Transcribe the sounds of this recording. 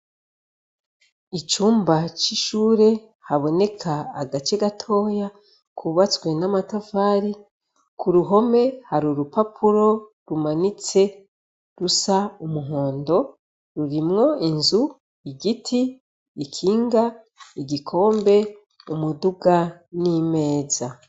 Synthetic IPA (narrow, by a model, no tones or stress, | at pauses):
it͡ʃuːmbat͡ʃiʃuːɾe̞ | haβo̞ne̞kʰaːɡat͡ʃeɡatʰo̞ːja | kʰuβat͡swe̞namatovaːɾi | kʰuɾuɦo̞me̞haɾuɾupapʰuɾo̞ | ɾumanit͡se̞ | ɾusaumuɦo̞ːndo̞ | ɾuɾimŋo̞inzu | iɟitʰiː | kʰiːŋɡa | iɟikʰo̞ːmbe̞ | umuduɡanime̞ːza